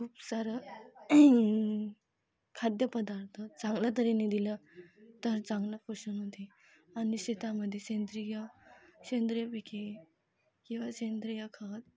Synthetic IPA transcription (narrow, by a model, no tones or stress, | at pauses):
kʰuːpsaɾə | kʰad̪jəpəd̪aɾt̪ʰət͡sãŋɡljat̪̬əɾenid̪ilət̪əɾt͡sãŋɡlafəɕunɦot̪i | añiɕet̪aməd̪ʱːjeɕẽnd̪ɾijaɕẽnd̪ɾjəpikʰe | kĩw̃ʋaɕend̪ɾəjakʰat̪